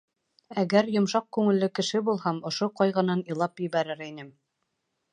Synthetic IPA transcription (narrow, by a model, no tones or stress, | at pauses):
æɡæɾjŏmʃɑq̚kʉŋɘ̆lːɘkɘ̆ʃɘbulˠhɑmŏʃoqɑjʁɤ̆nɑnĭlˠɑpjɘ̆βæɾɘɾinɘm